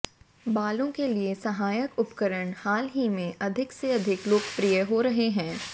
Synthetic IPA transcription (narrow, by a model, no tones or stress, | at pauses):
baːlõkeliesɐɦaːjəkʊpkəɾəɽhaːlɦimẽʔɐd̪ʱɪkseɐd̪ʱɪkloːɡpɾijəɦoɾɐɦeɦɛ̃ː